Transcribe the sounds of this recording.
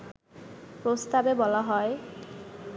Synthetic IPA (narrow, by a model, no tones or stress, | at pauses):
pɾost̪abebɔlaɦɔe